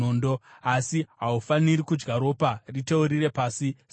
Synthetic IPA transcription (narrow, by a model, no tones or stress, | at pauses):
oːndoasiɦaufaniɾikud͡ʒɡaɾo̞ːparite̞uɾire̞paːsis